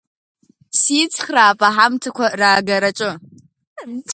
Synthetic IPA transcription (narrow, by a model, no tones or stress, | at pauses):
siːt͡sʰʼχraːpʼaħamtʰakʷʰaraːɡɐɾat͡ʃʼɨ